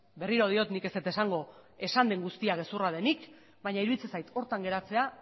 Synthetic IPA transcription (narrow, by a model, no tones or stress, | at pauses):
be̞riɾo̞ð̞io̞t̪nike̞set̪e̞saŋɡo̞e̞sand̪e̞ŋɡust̪iaɣe̞surað̞e̞nik | bajɲaiɾuβit͡sesajt̪o̞ɾt̪aŋɡe̞ɾat͡se̞a